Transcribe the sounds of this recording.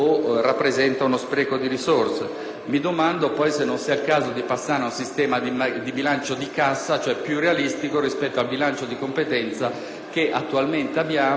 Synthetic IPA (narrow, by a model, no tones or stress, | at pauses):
orapːɾezɛnt̪aunospɾɛːkod̪iɾisorse | mid̪omand̪opɔjsenːonsiːailkaːzod̪ipasːaːɾeunsist̪ɛːmaimd̪ibilant͡ʃod̪ikasːat͡ʃoɛpːjurːealist̪ikorispɛt̪ːoalbilant͡ʃod̪ikompet̪ɛnt̪sa | keʔat̪ːualment̪eabːjaː